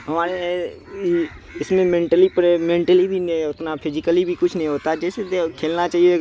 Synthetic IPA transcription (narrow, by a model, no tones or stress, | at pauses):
ɦɐmaːɾe | ɪsmẽmẽːɳʈəlipəɾemẽːɳʈəlid̪ĩːnd̪aʊt̪napʰɪzɪkəlibʱikʊt͡ʃʰnəɦĩɦoːt̪ad͡ʒɛːset̪ekʰeːlnat͡ʃaːɦio